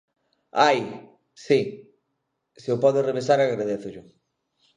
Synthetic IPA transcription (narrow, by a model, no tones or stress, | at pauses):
aj | si | sɪʊpɔðʊreβ̞esaɾaɣɾaðeθʊʎʊ